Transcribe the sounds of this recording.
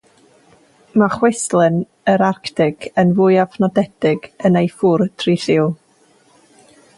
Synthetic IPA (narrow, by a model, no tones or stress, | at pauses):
maχwɪstlˠɨn | əɾarktɪɡ̥ənvʊjavnɔdɛdɪɡənejfʊrtʰriːθɪwlˠ